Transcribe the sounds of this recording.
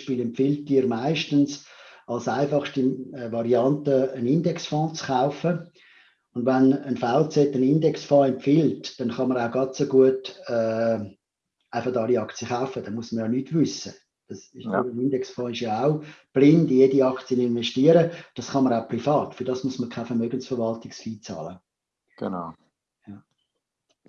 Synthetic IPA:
ʃpiːlɛmfɪltːiːɾmaɪʃtənsɑlsaɪfɑχʃtivɑɾiɑntəənɪndɛksfɔ̃ːt͡sχaʊfə | ʊndʋanənfaʊt͡sɛtːənɪndɛksfɔ̃ːɛmpfɪltd̥ɛnχɑməɾaʊɡɑtt͡soɡuətɛː | aɪfɑχdɑliɑkt͡sjəχaʊfəd̥ɛnmuəsməɾjɑnyːtvʏsə | d̥ɑsɪʃyənindɛksfɔ̃ːɪʃjɑaʊb̥lɪndjediɑkt͡siənɪnʋɛʃtiəɾəd̥ɑsχɑməɾaʊprifɑːtfʏɾd̥ɑːsmusməkʰaɪfɛɾmœɡənsfəɾʋɑltɪksfiːt͡sɑ̰ːlə | ɡ̥n | jɑ

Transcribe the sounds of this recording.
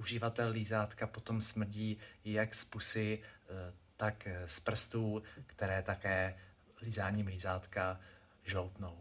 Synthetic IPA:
ʔuʒɪvat̪ɛllizaːt̪kapo̞t̪o̞msmr̩ɟiːjakspusɪ | t̪akspr̩st̪uːkt̪ɛɾɛːt̪akɛː | lizaːɲiːmlizaːt̪ka | ʒlowt̪now

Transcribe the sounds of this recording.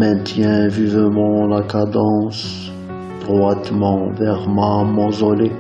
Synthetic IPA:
mɛ̃t̪jɛ̃vivəmɑ̃lakad̪ɑ̃s | d̪̥ʁwat̪mɑ̃vɛʁmamɔ̃zɔle

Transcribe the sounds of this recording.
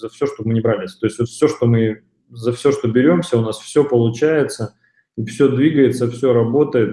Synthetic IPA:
zɐfsʲoʂt̪ob̚mɨnʲɪbɾalʲɪɪsʲt̪o̞ɪsʲtʲvot̪fsʲo̞ʂt̪o̞mɨ | zɐfsʲo̞ʂt̪o̞bʲɪɾʲo̞msʲəʊnasfsʲo̞pəlˠʊt͡ɕæjɪt̪sə | ifsʲɵd̪vʲiɡəjɪt̪səfsʲoɾɐbo̞t̪əjɪt̪

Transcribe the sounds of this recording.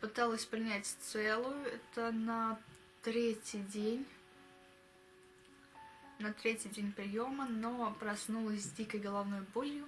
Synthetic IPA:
pɨt̪alˠəsʲpɾʲɪnʲætʲt̪sɛlˠʊjʊɛt̪ənɐ | t̪ɾʲetʲɪjdʲenʲ | nɐt̪ɾʲetʲɪdʲenʲpɾʲɪjo̞məno̞pɾɐsnulˠəsʲdʲikəjɡəlˠɐvnojʊbolʲjʊ

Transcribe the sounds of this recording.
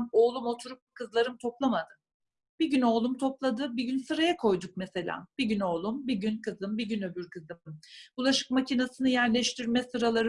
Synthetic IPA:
mo̞ːlˠumo̞t̪ʰuɾup̚kʰɯzlˠaɾɯmt̪ʰo̞plˠamad̪ɯ | biɟyno̞ːlˠumt̪ʰo̞plˠad̪ɯbiɟynsɯɾajakʰo̞jd̪uk̚mɛse̞lʲa̰ːb̥iɟyno̞ːlˠumbiɟynkʰɯzɯmbiɟynøbyɾkɯzɯmmulˠaʃɯ̥kmacinasɯnɯjæɾlʲɛʃt̪ʰiɾmɛsɯɾalˠaɾ

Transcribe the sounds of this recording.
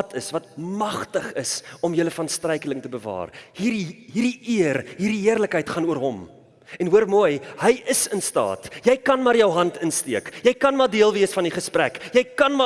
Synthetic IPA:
tʰəsvɐt̚mɐχtəχəsɔmjələfɐnstrɛjkələŋtəbəvɑ̰ːrhirɦiriʔiərɦiːrdiɦiərləkɦəjtχɐnuərɦɔm | ɛnɦuərmujɦəjəsənstɑ̰ːtjɛjkɐnmɑrjəwɦɐntʰənstiəkjɛjkɐnmɑːrdiəlˠviəsfɐniχəspræ̰kjɛjkɐnm

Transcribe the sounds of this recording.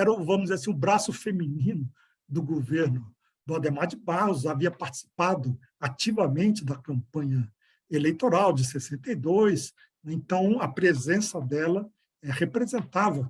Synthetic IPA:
ɛɾɐũvɐ̃mʊzeɾasĩũbɾasʊfemĩnĩnʊ | d̪ʊɡoveɾnʊ | d̪ʊad̪emad͡ʒɪbahʊz̬aviɐpaɾt͡ʃɪ̥si̥pad̪ʊ | at͡ʃivɐmẽnt͡ʃɪd̪ɐkɐ̃mpɐ̃ɲɐ | elejt̪oɾawd͡ʒɪsesẽnt̪ejd̪ojs | ɛẽnt̪ɐ̃w̃ɐpɾezẽsɐd̪ɛlɐ | ɛhepɾezẽnt̪avɐ

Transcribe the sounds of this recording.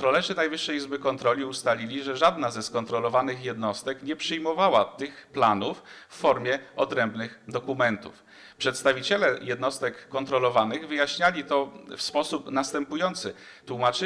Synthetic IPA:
t̪ɾɔlɛʐɘnajvɘʂːɛjizbɘkɔnt̪ɾɔlʲiust̪alʲilʲiʐɛʐad̪nazɛskɔnt̪ɾɔlɔvanɘxjɛd̪nɔst̪ɛkɲɛpʂɘjmɔvawat̪ɘxplanufːɔɾmʲjɛɔd̪ɾɛmbnɘxd̪ɔkumɛnt̪ṵf | pʂɛt̪st̪avʲit͡ɕɛlɛjɛd̪nɔst̪ɛkːɔnt̪ɾɔlɔvanɘɣvɘjaɕɲalʲit̪ɔfspɔsupnast̪ɛmpujɔnt̪sɘ | t̪wumat͡ʂɘ

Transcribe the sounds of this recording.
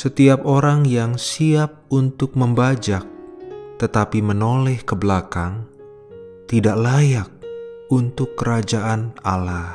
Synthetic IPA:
sət̪iap̚oɾaŋjaŋsiap̚unt̪ʊk̚məmbad͡ʒak̚t̪ət̪apimənolɛhkəbəlakaŋ | t̪idaʔlajak̚unt̪ʊkːəɾad͡ʒaʔanalah

